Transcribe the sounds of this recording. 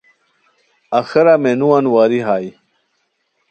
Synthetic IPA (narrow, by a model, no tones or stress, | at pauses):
ɐxɐɾamenuwanwaːɾiɦaːj